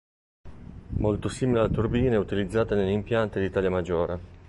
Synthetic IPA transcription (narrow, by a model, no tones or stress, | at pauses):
molt̪osiːmilealt̪urbiːnɛut̪ilid̪zːaːt̪anelːimpjant̪ed̪it̪aːljamad͡ʒːoːɾe